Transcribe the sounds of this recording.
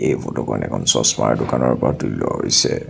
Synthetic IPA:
ejbɔtɔkɔnɛkʰɔnsɔsmaɹdʊkanɔɹpɔɹatulɔɦojsɛ

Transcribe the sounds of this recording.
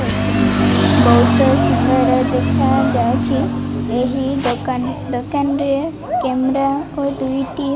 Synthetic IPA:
bɔwt̪ɔʃikəɾd̪ekʰad͡ʒajt͡ʃʰieɦiod̪ɔkanɾie | kɛmɾaod̪ujʈi

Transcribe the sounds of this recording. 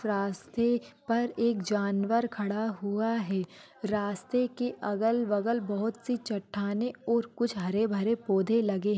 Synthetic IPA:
ɾaːst̪epɐɾeːkd͡ʒaːnʋəɾkʰɐɽaɦuaɦɛː | ɾaːst̪ekeʔɐɡəlʋɐɡəlbɐɦʊt̪sit͡ʃɐʈʰːaːneɔːɾkʊt͡ʃʰɦɐɾebʱɐɾepoːd̪ʱelɐɡeɦ

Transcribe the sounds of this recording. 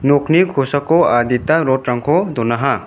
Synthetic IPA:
nukʰnikʰusakɔad̪it̪aɾɔtɾaŋkʰɔd̪ɔnaɦa

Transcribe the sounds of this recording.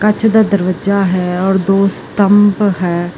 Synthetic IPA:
kət͡ʃʰd̪aːd̪əɾʋəd͡ʒaːɦɛːɔːɾd̪oːst̪əmpɦɛː

